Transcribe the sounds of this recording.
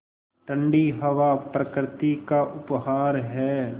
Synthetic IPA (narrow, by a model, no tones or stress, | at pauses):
ʈə̃ɳɖiɦɐʋapɾɐkɾɪt̪ikaʔʊpɦaːɾɦɛː